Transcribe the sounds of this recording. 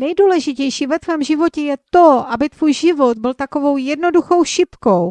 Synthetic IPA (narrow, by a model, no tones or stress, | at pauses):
nɛjduːlɛʒɪcɛjʃiːvɛt̪vɛːmʒɪvo̞cɛjɛt̪oʔabɪt̪v̥uːjʒɪvot̪̚bɪlt̪ako̞vo̞wjɛdno̞duxo̞wʃɪpkow